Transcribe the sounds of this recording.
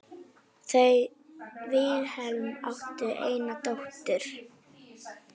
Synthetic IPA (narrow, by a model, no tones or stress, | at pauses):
θej | vɪðhɛlma̰wht̪ʏʔeːjnat̪owht̪ʏɾ̥